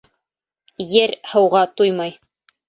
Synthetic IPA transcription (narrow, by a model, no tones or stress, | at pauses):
jɘɾhɤ̆wʁɑt̪ujmɑj